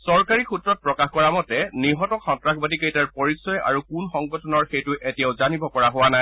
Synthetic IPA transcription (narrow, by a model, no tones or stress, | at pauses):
sɔɹkaɹixutɹɔt̚pɹɔkaxkɔɹamɔtɛniɦɔtɔkxɔ̃ntɹaxbadikejtaɹpɔɹisːɔja̰ɹukunxɔŋɡɔtʰɔnɔɹxejtʊʔetijaʊzanibɔkɔɹaɦʊwanaj